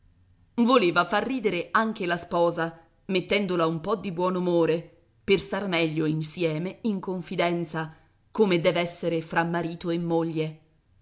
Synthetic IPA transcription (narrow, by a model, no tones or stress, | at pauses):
voleːvafarːiːd̪eɾeaŋk̟elaspɔːza | met̪ːɛnd̪olaumpɔd̪ːibwɔːnumoːɾe | perst̪armɛʎːoinsjɛːmeiŋkoɱfid̪ɛnt̪sa | komed̪ɛːvɛsːeɾefɾamːaɾiːt̪oemːoʎːe